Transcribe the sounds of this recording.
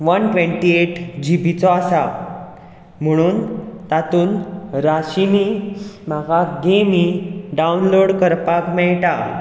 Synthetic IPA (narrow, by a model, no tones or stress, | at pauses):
ʋənʈʋẽɳʈieʈd͡ʑibʱit͡sɔasa | m̤əɽ̃uːnt̪at̪uːnɾaɕimimaɡʱaɡemiɖaunloɽkəɾpakmɛɭʈa